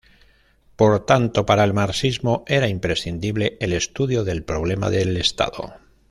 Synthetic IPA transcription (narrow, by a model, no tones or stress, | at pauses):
po̞ɾt̪ant̪o̞paɾae̞lmaɾsizmo̞e̞ɾaimpɾe̞sθind̪iβle̞ʔele̞st̪uðjoðe̞lpɾo̞βle̞ma̰ðe̞le̞st̪a̰ðo̞̰